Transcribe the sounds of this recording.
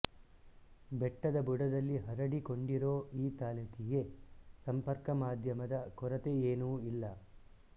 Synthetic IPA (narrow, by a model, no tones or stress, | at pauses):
bɛʈːɐd̪ɐbuɽɐd̪ɐlːiɦɐɾɐɽikoɳɖiɾo̞ːiːt̪aːlukʰɛɡe̞sɐmpɐɾkɐmaːd̪ʱjɐmɐd̪ɐkɔɾɐt̪eeːnuːilːɐ